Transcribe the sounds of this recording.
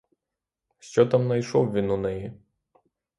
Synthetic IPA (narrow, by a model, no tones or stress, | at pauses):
ʃt͡ʃɔt̪amnɐjʃɔwʋʲinʊnɪji